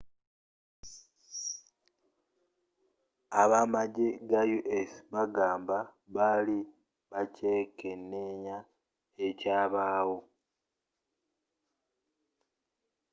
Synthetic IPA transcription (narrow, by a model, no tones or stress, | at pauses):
aβamaɟeɡajuʔesβaɡaːmba | βali | βace̞ːkenːeɲa | ecaːβaːwo